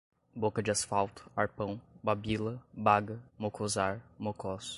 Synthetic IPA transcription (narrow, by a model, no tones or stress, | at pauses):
bokɐd͡ʒɪasfawˠt̪ʊ̥aɾpɐ̃w̃babilɐbaɡɐmokʰozaɾmokɔs